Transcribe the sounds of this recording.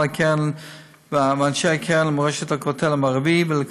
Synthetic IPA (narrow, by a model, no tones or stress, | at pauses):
akʰɛn | vamanʃeakʰɛnlmoʁeʃet̪hakotʰelamaʁvivələk